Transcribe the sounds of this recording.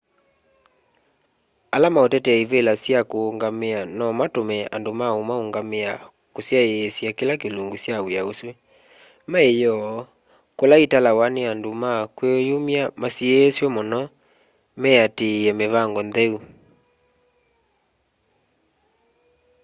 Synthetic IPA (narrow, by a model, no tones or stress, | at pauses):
alamaotɛtɛiβelasjakoːŋɡameanɔmatomɛandomaomaoŋɡamea | kosjaeːsjakelakeloŋɡosjawejaoswe | maejɔ | kolaitalawaneandomakwejomjamasiɛːswɛmɔnɔ | mɛatejɛmeβaŋɡɔnðɛu